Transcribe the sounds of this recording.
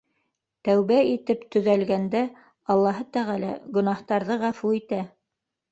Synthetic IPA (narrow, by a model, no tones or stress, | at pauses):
t̪æwβæit̪ɘpt̪ɵ̆ðælɡænd̪æ | ɑlˠːɑɦɤt̪æʁælæ̰ɡɵ̆nɑht̪ɑɾðɤʁæfuit̪æ